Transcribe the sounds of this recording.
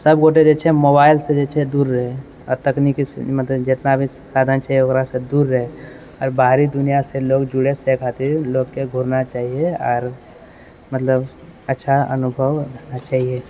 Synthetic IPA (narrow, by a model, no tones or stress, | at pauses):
səbɡoʈed͡ʒet͡ʃʰɛemobaːɪlsed͡ʒet͡ʃʰed̪uːɾːəɦe | ɔːɾt̪əknikḭmət̪ləbd͡ʒet̪nabʱi | saːd̪ʱant͡ʃaːɦieokɾased̪uːɾːəɦe | ɔːɾbaɾid̪ʊnijaseloːɡd͡ʒuɽesekʰat̪iɾloːɡkeɡʱuɾnat͡ʃaːɦijeɔ̰ːɾ | mət̪ləb | ətːʃʰaə̰nʊbʱəwɾəkʰnat͡ʃaːɦie